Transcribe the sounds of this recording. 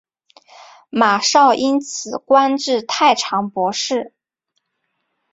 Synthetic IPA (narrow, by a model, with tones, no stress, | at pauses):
ma˨˩ʂɑ˥˩ʊʔi˥nt͡sʰɹ̩˨˩kwa˥nʈ͡ʂɻ̩˥˧t̪ʰa˥˩ɪʈ͡ʂʰɑ˧˥ŋpwɔ˧˥ʂɻ̩˥˩